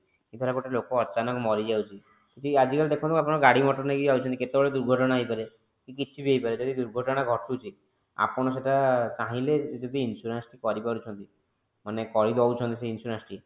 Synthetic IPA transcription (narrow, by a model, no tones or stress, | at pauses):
kid̪ʱɔɾaɡoʈalokɔːt͡ʃanɔkmɔɾid͡ʒawt͡ʃʰi | kit̪iad͡ʒikald̪ekʰɔ̃t̪ikapɔɽ̃ɔɡaɽimɔʈɔnaekid͡ʒawt͡ʃʰɔnt̪iket̪ebɔɭed̪uɾɡʱɔʈɔɽ̃aejpaɾe | kikit͡ʃʰibiejpaɾed͡ʒɔd̪id̪uɾɡʱɔʈɔɽ̃aɡʱɔʈʰut͡ʃʰi | a̰pɔɽ̃ɔs̬eʈat͡ʃaɦiled͡ʒɔd̪iinsuɾansʈikɔɾipaɾut͡ʃʰɔnt̪i | manekɔɾid̪awt͡ʃʰɔnt̪iseinsuɾansʈi